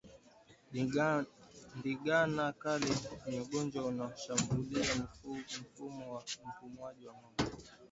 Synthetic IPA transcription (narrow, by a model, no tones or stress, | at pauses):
ndiɡanakalɛɲɔɡɔnd͡ʒwaunaɔʃambuliam̩m̩fumɔwam̩fumwaʄiwamɔɡa